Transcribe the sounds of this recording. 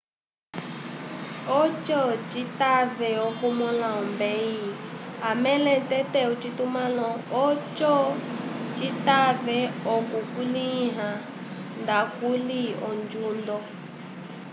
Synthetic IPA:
ɔt͡ʃɔt͡ʃitavɛɔkumɔlaɔmbɛiamɛlɛtɛtɛut͡ʃitumãlɔ̃ɔt͡ʃɔ | t͡ʃitavɛɔkukuliɦa | ndakuliɔ̰nd͡ʒundɔ

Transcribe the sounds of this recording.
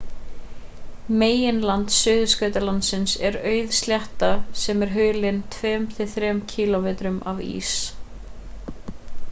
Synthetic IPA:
meːjɪnlant̪sʏːðʏskœɥt̪alant̪sɪnsɛɾœːɥðst̪ljaht̪asɛmɛɾ̥ɦœːlɪnt̪ʰvɛːmt̪ʰɪθɾɛmcʰiːlɔmɛːt̪ɾʏmavḭːs

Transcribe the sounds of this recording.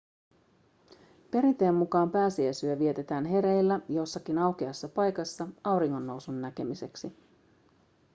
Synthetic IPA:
pe̞ɾint̪e̞ːmːukɑːmpæːsiæsyøʋie̞t̪e̞t̪æːnɦe̞ɾe̞jlːæjo̞sːɑkinɑwk̟iɑsːɑpɑjkɑsːɑɑwɾiŋːo̞nːo̞wsunːæke̞mise̞ksi

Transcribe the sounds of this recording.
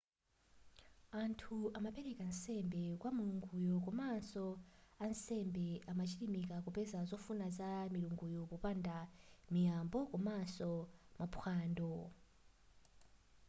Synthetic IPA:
antʰuamapɛɾɛkansɛmbɛkwamuluŋɡujɔk̬ɔmansɔansɛmbɛamat͡ʃʰiɾimikakupɛzazɔfunazamiɾuŋɡujɔpɔpandamijambɔkɔmansɔmapʰwaːndɔ

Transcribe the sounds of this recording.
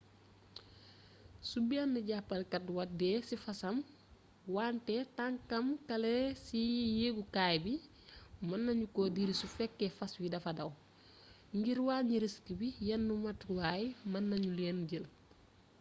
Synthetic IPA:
subianːiɟapːɐlkɐtwɐdɛsifɐsɐm | waːntɛtaŋkɐmkɐlɛsijeɡukaːjbi | mɐnːɐɲukodiɾisufɛkːɛfɐswidɐfɐdɐw | ŋɡiɾwaːɲiɾiskibijɐnːumɐtwajmɐnːɐɲulɛːnɟil

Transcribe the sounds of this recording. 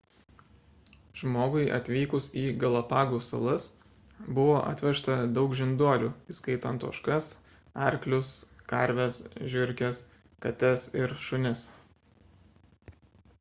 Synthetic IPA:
ʒmoːɡʊɪʔɐ̰t̪ʲʋʲiːkʊsiːɡɐlˠɐpɑːɡuːsɐ̰lˠɐs | bʊʋoːʔɐ̰t̪ʲʋʲɛʃt̪ɐd̪ɒʊkʒʲɪnd̪uɔlʲuːiskɐɪt̪ɐnt̪o̰ːʃkɐs | ɐɾʲklʲʊskɐˑɾʲʋʲɛsʒʲɪɾʲkʲɛs | kɐt̪ʲɛsɪɾʃʊnʲɪs

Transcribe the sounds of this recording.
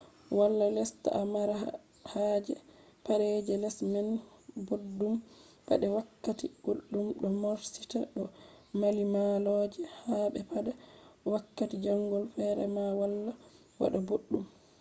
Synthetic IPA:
walːalɛsta̰ʔamaɾa | had͡ʒɛpaɾɛd͡ʒɛlɛsmɛnboɗːum | pa̰ɗɛwakːatiɡ̥oɗːumɗɔmoɾsitaɗɔmalimalɔd͡ʒɛhaɓɛpaɗɛwakːatid͡ʒaŋɡɔlfɛɾɛ̰mawalːa | wa̰ɗaboɗːum

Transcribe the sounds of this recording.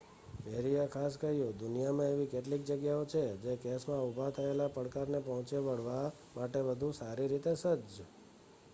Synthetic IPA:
bɛɾijakʰaskəɦjũd̪ʊnijamãeʋikeʈlik̚d͡ʒəɡjaot͡ʃʰed͡ʒekesmãubʱat̪ʰəelapəɽkaɾnepɔɦɔ̃t͡ʃeʋəɽʋa | maʈeʋəd̪ʱusaɾiɾit̪esəd͡ʒ

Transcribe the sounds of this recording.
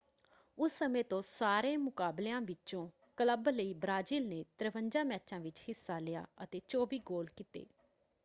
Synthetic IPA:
ʊsːəmẽːt̪õːsaːɾẽːmʊkaːbleãːʋɪt͡ʃõː | kələbləiːbɾaːd͡ʒiːlneːt̪ɾəʋəɲd͡ʒãːmɛːt͡ʃãːʋɪt͡ʃhɪsːaːlɪja̰ːət̪eːt͡ʃoːbiːɡoːlkɪt̪ḛː

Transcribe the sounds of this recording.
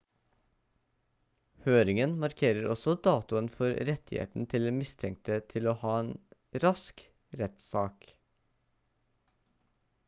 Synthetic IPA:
høːɾɪŋənmɑɾkʰeːɾəɾʔɔsɔd̪ɑːt̪ʊənfɔɾɾɛt̪ʰɪhḛːt̪n̩t̪ʰɪld̪ɛːmɪst̪ʰɛŋk̚t̪ət̪ʰɪloːhɑːeːn | ɾɑsk | ɾɛt̪sɑːk

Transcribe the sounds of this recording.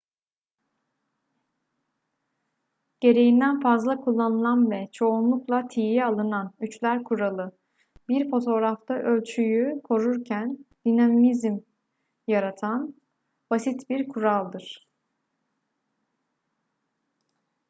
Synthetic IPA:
ɟ̥e̞ɾe̞jind̪ænfazlˠakʰulˠːanɯlˠanvɛt͡ʃʰo̞unlˠuklˠat̪ʰijjɛalˠɯnanyt͡ʃlʲæɾkʰuɾalˠɯ | biɾfo̞t̪ʰo̞ɾaft̪ʰaʔø̞lʲt͡ʃʰyjykʰo̞ɾuɾcʰænd̪̥inammizm | jaɾat̪ʰan | b̥asit̪biɾkʰuɾalˠd̪ɯɾ̥

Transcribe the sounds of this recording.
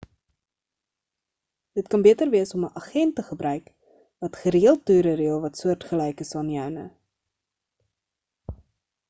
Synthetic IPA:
dətkɐnbiətərviəsɔməʔɐχɛntːəχəbɾœɥk | vɐtχəɾiəlˠtyːɾəɾiəlˠvɐtsuərtχəlɛjkəsɐniœwnə̰

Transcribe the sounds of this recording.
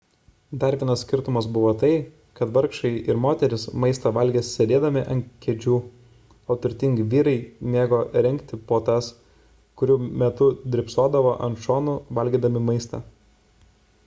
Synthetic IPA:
d̪ɑɾʲʋʲiɛnɐssʲkʲɪɾt̪ʊmɐsbʊʋoːt̪ɐɪ | kɐt̪ʋɐɾkʃɐɪʔɪɾmoːt̪ʲɛɾʲɪsmɐɪst̪ɐʋɐlʲɡʲeːssʲɛd̪ʲeːd̪ɐmʲɪʔɐnkʲɛd͡ʒʲuː | oːt̪ʊɾʲt̪ʲɪŋɡʋʲiːɾɐɪmʲeːɡoːɾʲɛŋʲkt̪ʲɪpoːt̪ɐs | kʊɾʲuːmʲɛt̪ʊd̪ʲɾʲɪpsoːd̪ɐʋoːʔɐnʃoːnuʋɐlʲɡʲiːd̪ɐmʲɪmɐɪst̪ɐ̰

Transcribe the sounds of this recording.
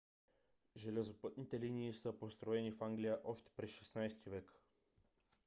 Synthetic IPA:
ʒɛlɛzopɤt̪nit̪ɛliniːsɤpost̪ɾoɛnifaŋɡlijəʔɔʃt̪ɛ̥pɾɛsʃɛsnajst̪ivɛk

